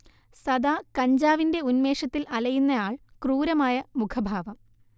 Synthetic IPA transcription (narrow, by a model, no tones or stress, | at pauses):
sɐd̪aːkɐɲd͡ʑaːʋinde̞unme̞ːʂɐt̪ːilɐlɐjunːɐjaːɭkruːɾɐmaːjɐmukʰɐbʱaːʋɐm